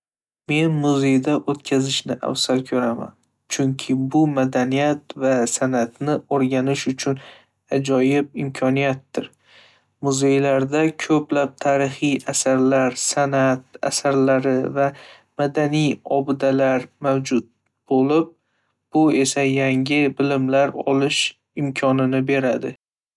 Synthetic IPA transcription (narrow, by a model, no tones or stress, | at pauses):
me̞nmʊze̞jd̪aʔot̪kʲʰazɪʃnɪʔa̰wsalkʲʰɵɾama̰n | t͡ʃʰʊŋkʲʰɪbʊmad̪anijat̪vasanat̪nɪoɾɡʲanɪʃʊt͡ʃʰʊn | ad͡ʒɒjɪp̚ɪmkʰɒnijat̪ːɪɾ | mʊze̞jlaɾd̪akʲʰɵplap̚t̪ʰaɾɪχijasaɾlaɾsanat̪a̰saɾlaɾɪva | mad̪anijɒbɪd̪alaɾmawd͡ʒʊt̪̚ | b̥olɪp̚ | b̥ʊe̞sajaŋʲɪbɪlɪmlaɾɒ̰lɪʃ | ɪmkʲʰɒnɪnɪbe̞ɾad̪ɪ